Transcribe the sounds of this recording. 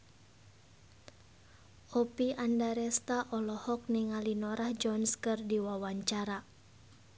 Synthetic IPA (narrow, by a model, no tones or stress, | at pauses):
ʔɔpiʔandaɾɛst̪aʔɔlɔhɔk̚niŋalinɔɾahd͡ʒɔnskɨrdiwawaɲt͡ʃaɾa